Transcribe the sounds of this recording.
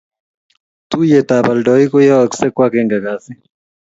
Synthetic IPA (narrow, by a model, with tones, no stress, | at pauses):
t̪u˦jɛ˨t̪aba˨ldɔi˦kɔ˦ja˦waksɛ˦kwa˦kɛŋɡa˨ɡasi˦